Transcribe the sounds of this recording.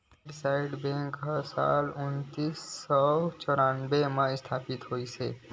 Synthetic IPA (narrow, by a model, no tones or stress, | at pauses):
ɖɪsaːɪɖbɛ̃ːŋkɦəsa̰ːlʊnt̪isːɔt͡ʃɔːɾaːnbemãɪst̪ʰaːpɪt̪ɦoːisḛː